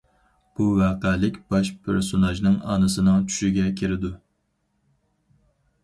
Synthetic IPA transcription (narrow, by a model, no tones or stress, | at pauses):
b̥uwɑːqælɪkʲb̥ɑʃpʰɪ̰ɾsonɑʒnɨŋɑ̰ːnɨsɨnɨŋt͡ʃʰy̥ʃiɡʲɛkʲʰiɾɪd̪u